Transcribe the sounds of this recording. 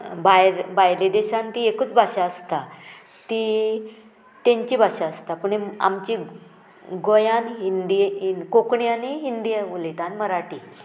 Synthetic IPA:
bajɾbajɾlid̪eɕãnt̪iekut͡sbʱaɕaəst̪a | t̪i | t̪ẽɲt͡ɕibʱaɕaəst̪apuɳea̰mt͡ɕi | ɡojanɦind̪iinkokɳjaniɦind̪iʋulit̪anməɾaʈi

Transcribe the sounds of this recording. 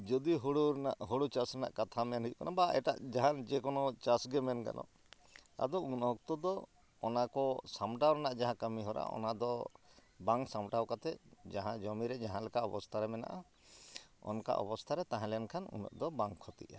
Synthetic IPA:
d͡ʒɔd̪iɦoɽunaʔɦoɽut͡ʃasɾɛna̰ʔkat̪ʰamɛnɦujukanabaɛ̰ʈa̰ʔd͡ʒaɦand͡ʒɛkɔnɔt͡ʃasɡɛmɛnka̰nʔɔ̰ | a̰d̪ɔunɔk̚t̪ɔd̪ɔː | nakɔsamʈawɾɛnaʔd͡ʒaɦãkamiɦɔɾʔa̰ɔ̰nad̪ɔ | baŋsamʈawkat̪ɛd͡ʒaɦãd͡ʒɔmiɾɛd͡ʒaɦãlɛkaɔbɔst̪ʰaɾɛmɛna̰ʔa̰ | ɔ̰nka̰ʔɔ̰bɔst̪ʰaɾɛt̪aɦãlɛnkʰanṵnɔ̰ʔd̪ɔbaŋkʰːɔt̪ḭʔa̰

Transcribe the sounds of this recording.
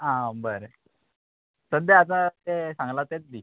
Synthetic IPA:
ɦãbəɾə | sənd̪eat̪̬ãt̪esãŋɡlat̪et͡sd̪i

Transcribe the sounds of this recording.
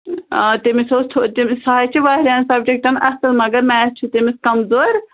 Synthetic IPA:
t̪emisoːst̪ʰot̪imsaːit͡ʃʰiʋaːɦɾʲaːnsɐb̚d͡ʒek̚ʈɐnʔɐsəlmɐɡɐɾmɛːst͡ʃʰut̪emiskɐmzoːɾ

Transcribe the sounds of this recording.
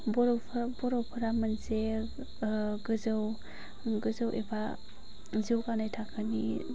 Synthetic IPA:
bɔɾwpʰbɔɾawpʰɯɾamanse | ɡɯzɯw | ɡɯzɯwʔeba | ziwkanajtʰakʰɯni

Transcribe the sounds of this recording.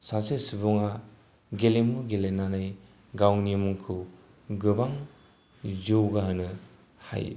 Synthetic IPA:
sasesibɔŋa | ɡelemuɡelenanaj | ɡawnimuŋkʰɯ | ɡɯbaŋ | d͡ʒɯwɡaɦɯnɯ | ha̰j

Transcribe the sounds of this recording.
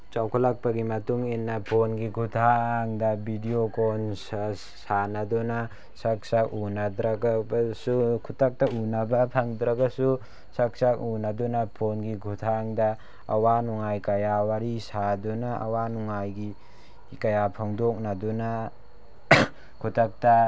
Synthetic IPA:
t͡ʃawkʰalak̚paɡimɐtuŋenːapʰonɡiɡʰutʰaːŋdɐbʱidiokɔnsa | sanaduna | sak̚sak̚unad̪ɾaɡabasukʰutak̚taunabɐpʰaŋdɾaɡasu | sak̚sak̚unadɔnapʰonɡiɡʱutʰaŋda | ɐ̰wanuŋajkɐjawaɾisadunaa̰wanuŋajɡi | kɐjapʰaŋdok̚nadɔna | kʰutʰak̚ta

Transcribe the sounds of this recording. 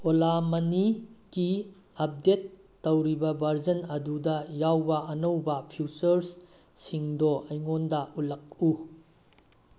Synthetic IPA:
olamɐniki | ɐp̚detː | ɐwɾibɐbʱɐɾd͡ʒɐnɐdudɐjawbɐʔɐnɐwbɐpʰut͡ʃɐɾs | siŋdoʔɐjŋondɐulɐk̚u

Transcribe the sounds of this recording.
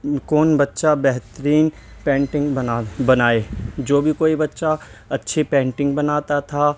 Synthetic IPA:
kɔːnbɐtːʃabɛɦt̪əɾiːn | pɛ̃ːɳʈɪ̃ŋɡabɐnaːeːd͡ʒoːbʱikoːibɐtːʃaɐtːʃʰepɛ̃ːɳʈɪ̃ŋɡbɐnaːt̪at̪ʰa

